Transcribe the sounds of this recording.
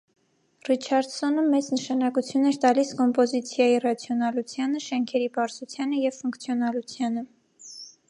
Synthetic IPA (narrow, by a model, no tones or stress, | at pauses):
rit͡ʃʰɑɾd̪sɔnəmɛt͡snəʃɑnɑkut͡sʰjunɛɾt̪ɑliskɔmpɔzit͡sʰjɑjirɑt͡sʰjɔnɑlut͡sʰjɑnəʃɛŋkʰɛɾibɑɾzut͡sʰjɑnəjɛvfuŋkt͡sʰjɔnɑlut͡sʰjɑnə